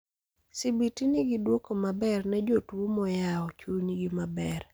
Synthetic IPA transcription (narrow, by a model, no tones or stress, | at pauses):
sibitiniɡidwokomabɛrnɛd͡ʒotwumɔjaɔt͡ʃuniɡimabɛr